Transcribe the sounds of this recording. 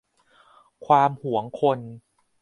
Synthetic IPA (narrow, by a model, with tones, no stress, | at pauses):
kʰwaː˧mhu˨˩˦əŋkʰo˧n